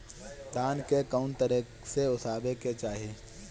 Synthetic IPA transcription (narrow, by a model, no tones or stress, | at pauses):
d̪aːnkekaʊnt̪əɾekseʊsaːbeket͡ʃaːɦieː